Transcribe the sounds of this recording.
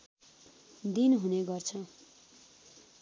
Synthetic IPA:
d̪inɦuneɡʌrt͡sʰʌ

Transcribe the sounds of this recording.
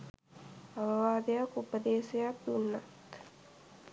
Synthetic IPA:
aʋəʋaːd̪ejakupəd̪eːsejak̚d̪unːat̪

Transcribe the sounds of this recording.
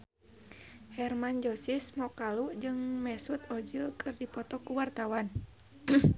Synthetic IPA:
hɛrmand͡ʒɔsismɔkalud͡ʒɨŋmɛsut̪ɔd͡ʒilkʰɨrdipɔt̪ɔkuwart̪awan

